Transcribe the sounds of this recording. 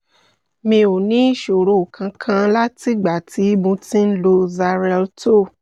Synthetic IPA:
mĩ˧o˨nĩ˦ʃo˨ɾo˨kʰã˧kʰã˧la˦ti˦ɡ͡ba˨ti˨˦mõ˧tĩ˦n̩˦lo˧za˧ɾɛ˧lto˦˨

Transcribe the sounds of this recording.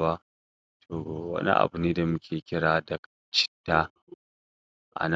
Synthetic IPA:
baː˦ | tʰoː˨wɐ̰˦nḭ˦ʔa̰˨bʊ˨niː˦da˨mʊ˦kʲʰeː˨kʲɪ˦ɽaː˨dɐ˨kt͡ʃɪ̥˦tːaː˦ | ʔa̰˨na

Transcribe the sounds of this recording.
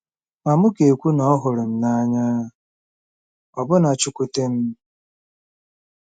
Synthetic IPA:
ma˨mʊ˦ke˨kʷu˦nɔ˦ɔ˦ɦʊ˨ɾʊ˨m̩˨na˦ɲa˦a˨ | ɔ˨bʊ˦na˨t͡ʃʊ˦kʷʊ˦te˦m̩˦

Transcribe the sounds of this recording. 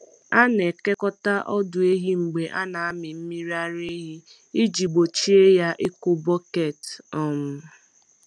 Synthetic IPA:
a˦ne˨ke˦kɔ˦ta˦ʔɔ˦dʊ˨e˦ɦi˦ŋ͡m̩˨ɡ͡be˨ʔa˦na˨a˦mɪ˨m̩˦mi˦ɾi˦a˦ɾe˦ɦi˦ | i˦d͡ʒi˨ɡ͡bo˨t͡ʃi˦e˦ja˦ʔɪ˦kʊ˦bɔ˦ke˦˨tɔ˦mʊ˨˦

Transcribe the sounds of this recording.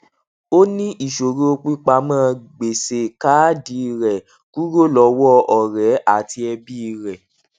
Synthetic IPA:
o˦nĩ˦ʔi˦˨ʃo˨ɾo˦o˧k͡pi˦k͡pa˧˦mãː˦˨ɡ͡be˨se˨ka˨˦di˨˦˧ɾɛ˨ | ku˦ɾo˦˨lɔ˨˧˦wɔ˦ʔɔ˨ɾɛ˨˦a˦˨ti˧ɛ˧bi˦˧ɾɛ˨

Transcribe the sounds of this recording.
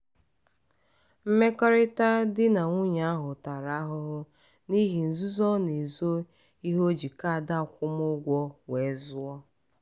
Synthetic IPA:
m̩˦me˦kɔ˦ɾɪ˦ta˦dɪ˦na˨ŋʷu˦ɲa˨a˦ɦʊ˨ta˨ɾa˦ɦʊ˦ɦʊ˦ | ni˦ɦi˨n̩˨zu˦zɔ˦ne˨zo˦ | i˦ɦo˦d͡ʒi˨ka˦a˨da˦˨kʷʊ˦mʊ˦ɡʷɔ˦we˨˦zʊ˦ɔ˦

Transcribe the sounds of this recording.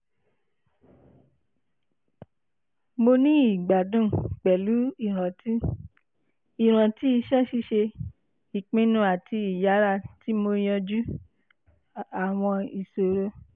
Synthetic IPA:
mo˧nĩ˦i˦˨ɡ͡ba˨dũ˦˨k͡pɛ˨lu˨˦i˨ɾ̃ã˨ti˦ | i˨ɾ̃ã˨ti˦i˧ʃɛ˦ʃi˧ʃe˧ | i˨k͡pĩ˨˧˦nũ˧˦a˨tʰi˧i˨ja˨˦ɾa˧˨ti˨˦mo˧j̃ɔ̃˧d͡ʒu˦ | a˨w̃ɔ̃˧i˨so˨ɾo˧˦

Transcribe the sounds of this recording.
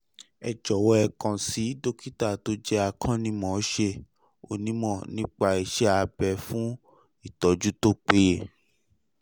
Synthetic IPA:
ɛ˨d͡ʒɔ˨wɔ˦ɛ˧kã˨si˨˦do˦ki˦ta˦˨to˦d͡ʒɛ˦a˧kʰã˦nĩ˦mɔ̃˨˦ʃe˧˨ | o̰˧nĩ˦mɔ̃˦˨nĩ˦k͡pa˧i˨ʃɛ˦a˧bɛ˨fũ˦ | i˦˨tɔ˨d͡ʒu˦to˦k͡pe˦je˦˨

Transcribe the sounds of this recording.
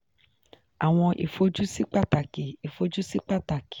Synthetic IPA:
a˨w̃ɔ̃˧ʔḭ˨fo˨˧d͡ʒu˦si˦k͡pa˦˨ta˨ki˨i˨fo˧˦d͡ʒu˦si˦k͡pa˦˨ta˨ki̥˨

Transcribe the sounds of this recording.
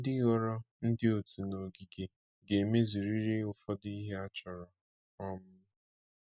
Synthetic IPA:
n̩˦dɪ˦ɔ˦ɾɔ˦ | n̩˦dɪ˦o˨tu˨no˨ɡi˨ɡe˨ | ɡe˨me˦zu˨ɾi˦ɾe˦ʊ˨fɔ˦di˦ɦe˦a˦t͡ʃɔ˨ɾɔ˨ | ɔ˦mʊ˦

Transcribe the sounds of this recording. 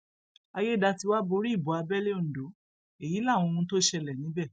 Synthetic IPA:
a˧je˦da˧ti˧wa˦bo˧ɾi˦i˦˨bɔ˨˦a˧bɛ˦le˦o˦˨n̩˨do˨˦ | e˨ji˨˦lã˦˨ɔ̃˧o˧ũ˧to˦ʃɛ˧lɛ˨nĩ˨˦bɛ˦˨

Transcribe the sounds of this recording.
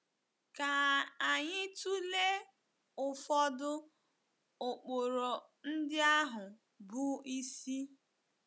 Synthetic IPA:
ka˨a˨ɲɪ˦tu˦le˦ | ʊ˨fɔ˦dʊ˦ | ʊ˨k͡po˨ɾo˨ | n̩˦dɪ˦a˦ɦʊ˨ | bu˦i˦si˦

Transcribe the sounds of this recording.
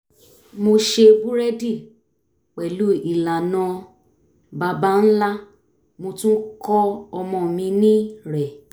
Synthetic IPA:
mo˧ʃe˧bu˦ɾɛ˦di˦˨ | k͡pɛ˨lu˨˦i˨la˨nɔ̃˧˦ | ba˧ba˦n̩˦la˦ | mo˧tũ˦kɔ˦ɔ˧mɔ̃˧˨mĩ˧nĩ˦ɾɛ˨

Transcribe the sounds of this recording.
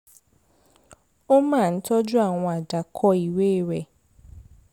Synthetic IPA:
o˦maː˦˨n̩˦tɔ˦d͡ʒʊ˦a˦˨ŋʷɔ˨a˨da˨kʰɔ˦i˨we˦˨ɾe˨

